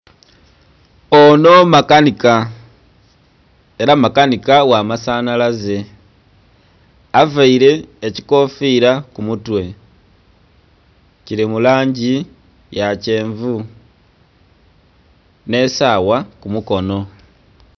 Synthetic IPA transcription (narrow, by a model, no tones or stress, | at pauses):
ono̞makanika | e̞ɾamakanikawamasanalaze | avaiɾe̞ːciko̞fiɾakumutwe̞ | ciɾimulaːɲɟi | jace̞ːɱvu | ne̞sawakumuko̞no̞